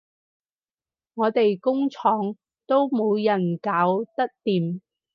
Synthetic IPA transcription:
ŋɔː˨˧t̪e˨jkʊ˥ŋt͡ʃʰɔː˨˥ŋ | t̪o˥wmo˨˧wjɐ˨˩nkaː˨˥wt̪ɐ˥k̚t̪iː˨˩m

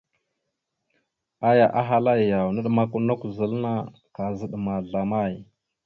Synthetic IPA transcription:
a˦ja˨ʔa˦ɦa˦la˦jja˨wnə˦ɗma˦ku˦na˦ku˨zə˨lna˦ | ka˨zə˦ɗma˨ɮa˨ma˦˨j

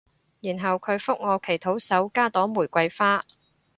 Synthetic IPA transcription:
jiː˨˩nɦɐ˨wkʰɵ˨˧ɥfʊ˥k̚ŋɔː˨˧kʰe˨˩jt̪ʰo˨˥wsɐ˨˥wkaː˥t̪ɔː˨˥muː˨˩jkʷɐ˧jfaː˥

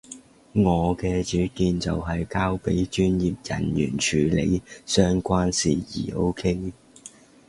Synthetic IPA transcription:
ŋɔː˨˧kɛː˧t͡ʃyː˨˥kiː˧nt͡sɐ˨wɦɐ˨jkaː˥wpe˨˥jt͡ʃyː˥njiː˨˩p̚jɐ̰˨˩njy̰ː˨˩nt͡ʃʰyː˨˧lḛ˨˧jsœː˥ŋkʷaː˥nsḭː˨˩jḭː˨˩o˥wkʰe˥j

